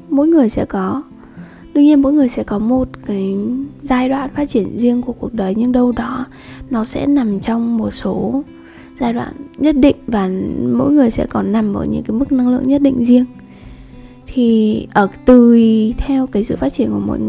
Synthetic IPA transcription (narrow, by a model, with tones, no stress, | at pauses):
mo̰˧˥jŋɨ˨˩əjsɛ̰˧˥kɔ˨˦ | ɗɨ˧əɲi˧ənmo̰˧˥jŋɨ˨˩əjsɛ̰˧˥kɔ˨˦mo˨˩t̚kaː˨˦jzaː˧jɗwa̰ː˧˨nfaː˦˥t̚t͡ɕi˧˩ənzi˧əŋku˧˩əku˨˩ək̚ɗəː˨˩jɲɨ˧ŋɗə˧wɗɔ˨˦ | nɔ˨˦sɛ̰˧˥na˨˩mt͡ɕɔ˧wŋ͡mmo˨˩t̚so˨˦ | zaː˧jɗwa̰ː˧˨nɲə˦˥t̚ɗḭ̈˧˨ŋ̟vaː˨˩mo̰˧˥jŋɨ˨˩əjsɛ̰˧˥kɔ˨˦nːa˨˩mʔəː˧˩ɲɨ̰˧˥ŋkaː˨˦jmɨ˦˥k̚na˧ŋlɨ̰˧˨əŋɲə˦˥t̚ɗḭ˧˨ŋ̟zi˧əŋ | t̪ʰi˨˩ʔəː˧˩t̪ɨ˨˩t̪ʰɛ˧wkaː˨˦jsɨ̰˧˨faː˦˥t̚t͡ɕi˧˩ənku˧˩əmo̰˧˥j